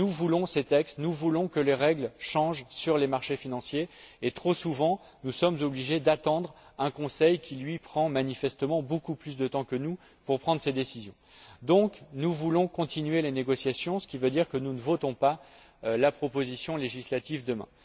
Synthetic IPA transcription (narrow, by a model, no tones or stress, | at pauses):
nuvulɔ̃set̪ɛkst̪nuvulɔ̃kəleʁɛɡlʃɑ̃ʒsyʁlemaʁʃefinɑ̃sjeːt̪χosuvɑ̃ | nusɔmzɔbliʒed̪at̪ɑ̃d̪ʁɛ̃kɔ̃sɛjkʲilɥipχɑ̃manifɛst̪əmɑ̃bokuplys̬d̪ət̪ɑ̃kənu | puʁpχɑ̃d̪ʁsed̪esizjɔ̃ | d̪ɔ̃knuvulɔ̃kɔ̃t̪inɥeleneɡɔsjasjɔ̃sə̥kʲivød̪iʁkənunəvot̪ɔ̃pa | lapχɔpozisjɔ̃leʒislat̪ivd̪əmɛ̰̃